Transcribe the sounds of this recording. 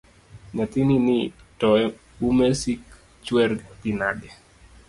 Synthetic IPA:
ɲat̪ininɪtɔɛ | umɛsik | t͡ʃwɛɾt̪inadɛ

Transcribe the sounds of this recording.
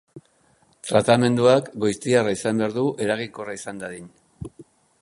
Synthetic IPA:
t̪ɾat̪ame̞nd̪uakɡo̞jst̪iaraisambe̞aɾðuʔe̞ɾaɣiŋkoraisand̪aðiɲ

